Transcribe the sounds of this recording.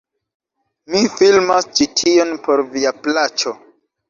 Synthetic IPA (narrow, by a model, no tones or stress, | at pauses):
mifilmast͡ʃitʰio̞npo̞ɾviaplat͡ʃo̞